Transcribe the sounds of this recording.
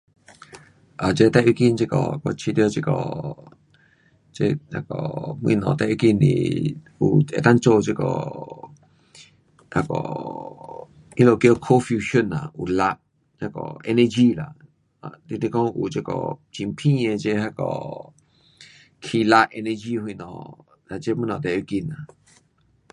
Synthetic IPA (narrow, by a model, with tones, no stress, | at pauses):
ʔa˨t͡ʃe˧t̪ɛ˧ʔi˧˦ki˧nt͡ʃe˧kɔ̰˨ko˧t͡ʃʰi˧t̪jo˧t͡ʃe˧kɔ̰˨ | t͡ʃḛ˧a˧kɔ˨mwḭ̃˧˨nɔ̰̃˨t̪ɛ˧ʔi˧ki˧nḭ̃˧˨ | u˧˨ḛ˧t̪a˦n˦t͡ʃo˧˨t͡ʃe˧kɔ̰˧˨ | a˧kɔ̰˨ | i˦lo˧˨kjo˧kʰo˦fju˧ʃo˦˨nã˨u˨la˧ʔ | a˧kɔ̰˨ḛ˧nẽ˧d͡ʒi˦la˨˧ | t̪i˧t̪i˧kɔ̃˦˧ʔu˨t͡ʃe˧kɔ̰˨t͡ʃi˧˨m˦pʰĩ˦ẽ˧t͡ʃe˧ha˧kɔ̰˧˨ | kʰi˧la˧ʔʔe˧nẽ˧d͡ʒi˦hwi˧˨nɔ̰̃˧˨ | la˧t͡ʃe˦mwĩ˦nɔ̃˨t̪e˨ʔu˧ki˧nã̰˨